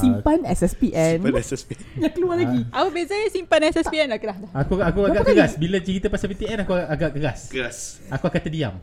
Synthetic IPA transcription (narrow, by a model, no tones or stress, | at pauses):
simpanɛsɛspiʔɛnɛɛsjãŋkəlualaɡiapəbezasimpanɛsɛspiɛnlakəlahdakuakuaɡaʔkəɾasbilat͡ʃəɾit̪əpasapit̪iɛnakuaʔaɡaʔkəɣaskəasakuakant̪ədia̰m